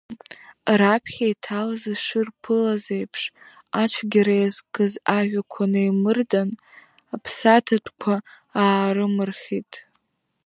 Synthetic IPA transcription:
rapʰχʲaitʰalazɨʂɨrpʰɨlazejpʰʂ | at͡ʃʷʰɡʲaɾajzkɨzaʒʷᶣakʷʰanɨjmɨrdan | apʰsatʰatʷʰʼkʷʰa | aːɾɨmɨrχʲitʼ

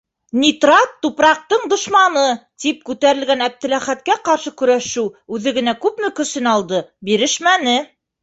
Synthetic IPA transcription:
nʲit̪rɑt̪ːupɾɑq̚t̪ɤɴd̪ŏʃmɑnɤt̪ip̚kʉt̪æɾɘ̆lɡænæp̚t̪ɘ̆læχæt̪̚kæqɑɾʃɤkɵ̆ɾæʃʉwʉðɘ̆ɡɘ̆nækʉpmɘkɵ̆sɘnɑlˠd̪ɤbiɾɘ̆ʃmænɘ

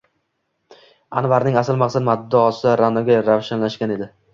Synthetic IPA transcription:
anvaɾnɪŋasɪlˠmaqsad̪mad̪ːɒːsɪɾanɒɡʲaɾavʃanlaʃkʲane̞d̪ɪ

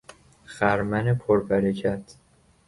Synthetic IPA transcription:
xæɾmænepʰoɾbæɾecʰæt̪ʰ

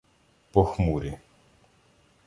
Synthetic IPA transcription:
pɔxmuɾʲi

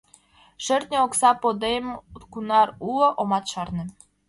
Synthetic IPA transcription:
ʃɘ̆rt̪ʲnʲeoksɑpod̪ejmkunɑɾulˠɤ̆ʔomɑt̪ʃɑrnɤ̆

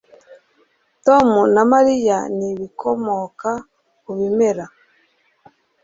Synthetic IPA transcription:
tomunamaɾijaniβikʰomoka | kuβimeɾa

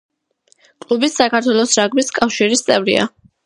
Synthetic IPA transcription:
kʼlˠubissakʰaɾt̪ʰwɛlˠɔsɾaɡmiskʼafʃiɾist̪sʼɛvɾḭa̰

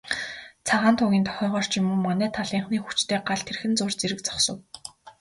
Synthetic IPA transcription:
t͡sʰaʁaːnt̪ʰʊɣʲiːnt̪ʰɔ̥χʲœːʁɔːr̥t͡ɕɪmuːmanæːt̪ʰaɮiːɴχniːxu̥t͡ɕt̪ʰeːɢaɮt̪ʰerxɘ̆nt͡sʊrt͡seɾɘ̆kt͡sɔ̥χsɞ̆w

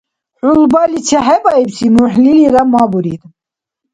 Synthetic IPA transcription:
ħulbalit͡ʃʰɛɦɛbaibsinuħliliɾamabuɾḭd̪

